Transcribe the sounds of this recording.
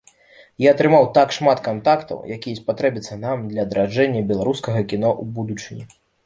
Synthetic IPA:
jiɐt̪ɾɨmawt̪akʂmat̪kant̪akt̪ɐ̰wjakʲijɐspat̪ɾɛbʲit̪sːɐnamd̪lʲɐːd̪ɾad͡ʐɛnʲːɐbʲɛlˠaɾuskɐɣɐkʲinɔʔubud̪ut͡ʂɨnʲḭ

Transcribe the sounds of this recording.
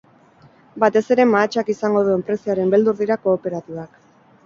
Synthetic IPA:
bat̪e̞se̞ɾe̞maːt͡ʃakisaŋɡo̞ðue̞mpɾe̞siaɾe̞mbe̞ld̪uɾðiɾako̞ːpe̞ɾat̪iβak

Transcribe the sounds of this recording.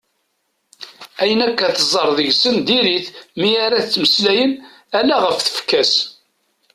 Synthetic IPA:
æjənækːæθəzˤəɾˤðəʝsənd̪iɾiθmiaɾat͡sːməslæjən | ælæʁəfθə̥fkːæs

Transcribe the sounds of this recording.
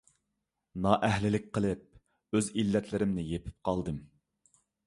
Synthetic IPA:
nɑʔɛhlɪlɪk̚ʲqʰəlˠɨp̚ | øzilːɛt̪ʰlɪɾɪmnɪjepʰɪ̥p̚qʰɑlˠd̪ɨm

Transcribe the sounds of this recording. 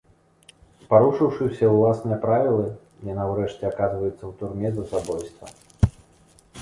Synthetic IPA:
spaɾuʂɨwʂɨwsʲɐwlˠasnɨjɐpɾavʲilˠɨ | janawɾɛʂt͡sʲɛakazvɐjut̪sːɐwt̪urmʲɛzɐsabɔjst̪vɐ̰

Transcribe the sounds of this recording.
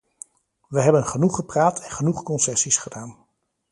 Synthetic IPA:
ʋəɦɛbənχənuχəpraːtʰɛnχənuχkɔnsɛsisχədaːn

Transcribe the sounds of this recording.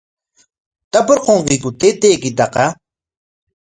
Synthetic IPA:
t̪apʊɾqoɴqɪkʊt̪et̪eːkɪt̪̬ɑqɑ

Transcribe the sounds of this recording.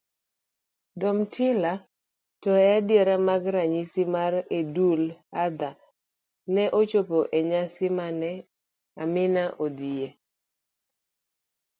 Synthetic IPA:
dɔmtʰɪla | tɔadɪeɾamaɡɾaɲisimaɾedulad̪a | nɛʔot͡ʃopoʔeɲasɪmanɛ | amɪnaʔod̪ije

